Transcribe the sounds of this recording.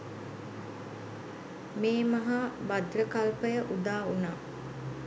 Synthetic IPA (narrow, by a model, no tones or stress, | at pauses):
meːmɐɦabad̪rəkalpəjəʔud̪aːunaː